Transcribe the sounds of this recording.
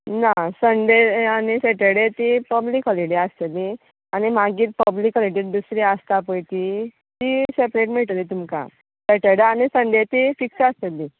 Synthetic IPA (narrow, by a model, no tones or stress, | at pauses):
nasəɳɖeañiseʈəɽet̪ipəblikɦɔliɽiəst̪elːi | añimaɡiːɾpəblikɔliɽiːɾd̪usɾiəst̪apəjt̪i | t̪isepɾeʈmeɭt̪əlit̪umka̰ | seʈeɽeanisəɳɖet̪ifiksəəst̪elːi